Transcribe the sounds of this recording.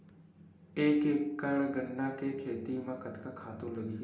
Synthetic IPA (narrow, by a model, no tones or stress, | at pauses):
eːkekːəɳɡənːakekʰeːt̪imãkət̪kakʰaːt̪õləɡi